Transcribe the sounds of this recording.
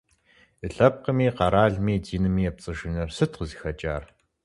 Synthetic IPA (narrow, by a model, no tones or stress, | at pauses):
ɨɬɐp̚qəmiːqɑɾaːɮmiːdiːnɨmiːɐp̚t͡sʼɨʒɪnɐrsɨtqəziːxɐt͡ʃʼa̰ːr